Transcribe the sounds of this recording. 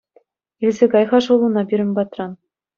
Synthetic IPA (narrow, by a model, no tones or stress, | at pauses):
ilʲzʲekɑjʁɑʂulˠunɑbʲiɾʲɘ̆mʲbɑt̪rɑn